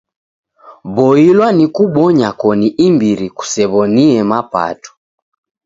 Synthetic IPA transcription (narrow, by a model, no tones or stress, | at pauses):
bɔilwanikuɓɔɲakɔniʔimbiɾiku̥sɛβɔniɛmapa̰tu̥